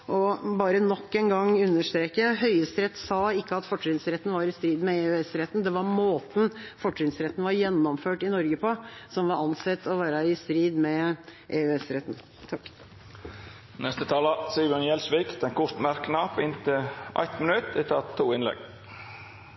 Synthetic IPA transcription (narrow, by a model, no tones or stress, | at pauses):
ʔɔbɑːɾənɔkːɛnɡɑŋːʉnːəʂt̪ɾeːkəɦœʏəst̪ɾɛt̪ːsɑɪkːəɑt̪fɔʈɾɪnsɾɛt̪ːn̩ʋɑɾɪst̪ɾiːd̪mɛeʉɛsɾɛt̪ːn̩d̪ɛʋɑɾmoːt̪n̩fɔʈɾɪŋsɾɛt̪ːn̩ʋɑɾjɛnːɔmføːʈɪnɔɾɡəpʰɔsɔmʋɑɾɑnsɛt̪ːɔʋæːɾəɪst̪ɾiːd̪mɛʔeʉɛsɾɛt̪n̩ | t̪ʰɑkː | nɛst̪ət̪ʰɑːləsiʋɔnjɛlsʋiːkd̪̥ɛnkʰʊʂt̪mæɾknɑːpɪnt̪ʰɪʔæ̰ɪt̪mənʉt̪ɪt̪ʰɑt̪ʰːuːɪnlɛ̰ɡ